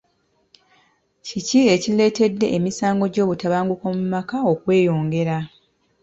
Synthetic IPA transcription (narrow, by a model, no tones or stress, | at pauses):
cicie̞cile̞ːte̞dːe̞ʔːmisaːŋɡo̞ɟo̞ːβutaβaːŋɡukomumakao̞kwe̞ːjo̞ːŋɡe̞ɾa